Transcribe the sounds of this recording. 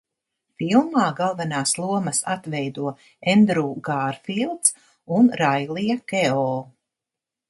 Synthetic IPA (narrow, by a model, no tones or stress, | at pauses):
filˠmaːɡalˠvɛnaːslˠuɔmɐsat̪vɛjd̪uɔ | ɛnd̪ɾuːɡaːɾfilˠt̪s | unɾajlˠijkɛɔː